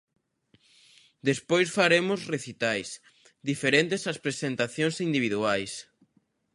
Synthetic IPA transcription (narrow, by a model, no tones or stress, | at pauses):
d̪espojsfaɾemʊsreθit̪ajs | d̪ifeɾent̪ɪsaspɾesent̪aθjõŋsind̪iβ̞iðuajs